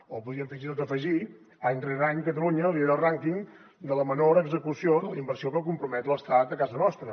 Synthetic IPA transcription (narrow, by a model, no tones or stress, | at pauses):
opuðiəmfiʒit̪ot̪əfəʒi | əɲnreɾaɲkət̪əluɲəliəɾəlˠraŋkiŋ | d̪ələmənoɾəɡzəkusioðələimbərsiokəkumpɾumɛt̪ləst̪at̪əkazənɔst̪ɾə